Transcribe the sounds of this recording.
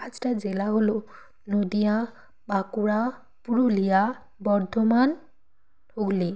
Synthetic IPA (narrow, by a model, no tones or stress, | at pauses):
aztazilaɦolo | nodija | bakuɹa | puɹulija | bɔɹdʱɔman | holi